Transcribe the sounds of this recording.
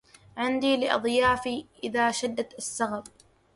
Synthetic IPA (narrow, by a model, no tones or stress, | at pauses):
ʕɪnd̪iːlɪʔɑ̰d̪ˤjaːfiːʔɪðaːʃad̪ːat̪asːaɣab̚